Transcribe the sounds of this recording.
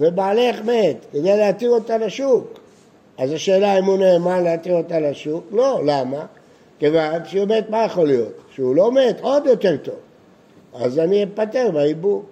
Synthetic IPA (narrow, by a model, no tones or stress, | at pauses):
vebaːleχmet̪ked̪ejleat̪iʁo̞t̪alaʃuk | azaʃe̞ːlaimuneːmaleat̪iʁo̞t̪alaʃuklo̞lama | kevanʃemet̪majaχo̞lijo̞t̪ʃeulo̞me̞t̪o̞d̪jo̞t̪e̞ʁt̪o̞v | a̰zaniepate̞ʁbaibuʁ